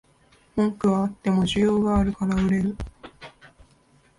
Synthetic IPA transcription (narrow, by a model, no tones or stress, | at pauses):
mõŋkɯ̟βaːt̪ːe̞mo̞ʑɨjo̞ːɡaːɾɯ̟kaɾaɯ̟ɾe̞ɾɯ̟